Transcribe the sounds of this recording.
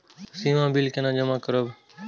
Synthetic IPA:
siːʋãːbiːlkẽːnãːd͡ʒəmãːkəɾəb

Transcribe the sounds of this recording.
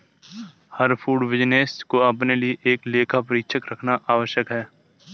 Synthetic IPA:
hɐɾfʰuːɖʋɪd͡ʒneːskoɐpnelieʔeːkleːkʰap̬ɐɾiːkʃʰəkɾɐkʰnaʔaːʋəʃjəkɦɛː

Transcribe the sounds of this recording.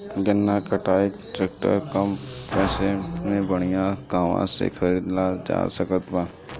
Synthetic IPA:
ɡənːakəʈʰaːikʈɾeːk̚ʈə̰ɾkəmpɛːsemẽbəɽ̃ijãɡaːʋã̰sḛkʰɐɾiːd̪lad͡ʒa̰ːsəkət̪ba

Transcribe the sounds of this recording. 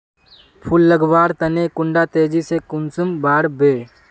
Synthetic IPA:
pʰʊlːəɡʋaːɾt̪ɐnekʊ̃ɳɖat̪eːd͡ʒisekʊnsumbaːɽbeː

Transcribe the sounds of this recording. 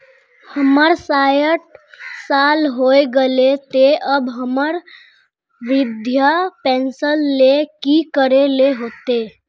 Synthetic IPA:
həməɾsajəʈ̚salɦoeɡəlet̪eʔəbɦəməɾ | ʋɪd̪ʱjapɛ̃nsəlːekikəɾeleɦoːt̪e

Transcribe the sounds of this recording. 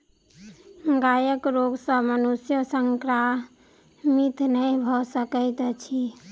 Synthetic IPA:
ɡajəkɾoɡsəmənusjəsəŋkɾa | mit̪ʰnəjbʱɔsəkəɪt̪t͡ʃʰi

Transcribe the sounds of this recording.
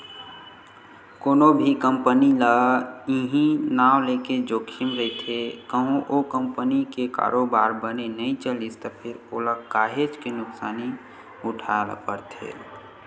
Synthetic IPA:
koːnobʱikəmpəniləiɦĩnaːwleked͡ʒokʰimɾəit̪ʰekəɦũʔokəmpənikeka̰ːɾobaːɾbənenəĩt͡ʃəlist̪əpʰɪɾoləkaːɦet͡ʃkenʊksaːni | ʊʈʰal̰pəɾt̪ʰḛ

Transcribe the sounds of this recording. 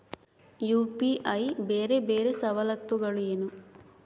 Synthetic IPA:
juːpiʔɐjbeːɾebeːɾesɐʋɐlɐt̪ʋuɡɐɭueːnu

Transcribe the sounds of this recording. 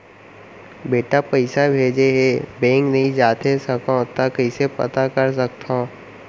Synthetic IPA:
beːʈapɐɪsabʱeːd͡ʒeɦebɛ̃ːŋknɐɦĩd͡ʒaːt̪esɐkõt̪akəɪsepɐ̰t̪akɐɾs̬ɐk̚t̪õː

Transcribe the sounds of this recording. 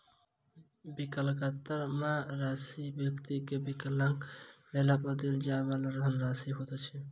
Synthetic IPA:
bikəlkat̪əɾmaɾasibjəkt̪ikebikəlaŋkmelapəd̪ild͡ʒabaləɾʱənɾasiɦot̪ɔt͡ʃʰɛ

